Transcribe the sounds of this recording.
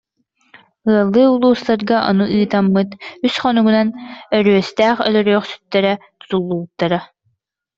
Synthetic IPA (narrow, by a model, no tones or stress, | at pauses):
ɯɐlˠːɯːulˠuːst̪aɾɡaʔɔ̰nuʔɯːt̪amːɯt̪ysχɔnuɡunanœɾyœst̪æːχœ̰lœɾœːχsy̥t̪ːɛɾɛt̪u̥t̪ulˠːuːt̪ːaɾa